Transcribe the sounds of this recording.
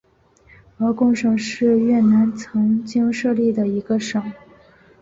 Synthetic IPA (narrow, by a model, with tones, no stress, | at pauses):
ə˧˥kʊ˥˩ŋʂɤ˨˩ŋʂɻ̩˥˧ɥɛ˥˩na˧˥nt͡sʰɤ˧˥ŋt͡ɕi˥ŋʂɤ˥˧li˥˩d̪ə˩i˧˥ɡə˧ʂɤ˨˩˦ŋ